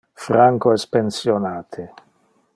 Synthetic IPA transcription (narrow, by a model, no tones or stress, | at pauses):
fɾaŋkoɛspensjonaːt̪ʰe